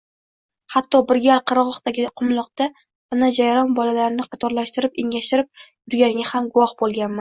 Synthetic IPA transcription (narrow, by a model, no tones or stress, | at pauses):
hat̪ːɒbɪɾɡʲaɾqʰɨɾʁɒqt̪aɡʲɪqʰʊmlˠɒq̚t̪a | anad͡ʒajɾɒnbɒlalaɾɪnɪqʰɑt̪ʰɒɾlaʃt̪ɪɾɪpeŋʲaʃt̪ɪɾɪp̚jʊɾɡʲanɪɡʲahamɡʊwɒhbolˠɡʲanman